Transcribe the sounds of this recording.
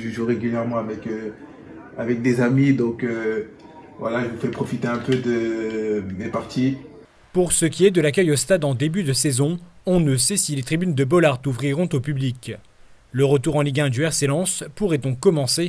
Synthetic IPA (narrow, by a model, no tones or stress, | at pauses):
ʒəʒuʁeɡʲyljɛʁmɑ̃avɛkø | avɛk̚d̪ezamid̪ɔ̃kø | vwa̰laʒəvufɛpχɔfit̪eɛ̃pød̪ə | mepaʁt̪i | puʁsəkʲiɛd̪əlak̬ʲœjost̪ad̪ɑ̃d̪ebyd̪əsɛzɔ̃ɔ̃nəsɛsilet̪χibynd̪əbɔlaʁt̪uvʁiʁɔ̃t̪opyblik | ləʁət̪uʁɑ̃liɡʲɛ̃d̪yɛʁselɑ̃spuʁɛd̪ɔ̃kːɔmɑ̃se